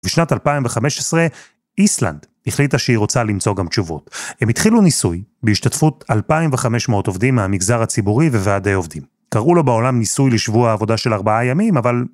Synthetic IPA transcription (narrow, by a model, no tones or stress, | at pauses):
biʃnatalpaimveχame̞ʃesʁe | ʔisla̰ndhiχlitaʃeiʁo̞t͡salimt͡so̞ɡamt͡ʃuvo̞̰themitχilunisujbeiʃtatfutalpaimveχameʃmeoto̞vdimːeamiɡzaʁhat͡sibuʁiveveadejo̞vd̪im | kaʁulo̞beo̞lamnisujleʃvuaːvo̞daʃe̞laʁbaajamimaval